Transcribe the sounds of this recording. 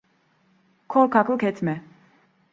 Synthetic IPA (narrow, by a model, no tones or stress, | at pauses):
kʰɔɾkʰakʰukʰɛt̪ʰmɛ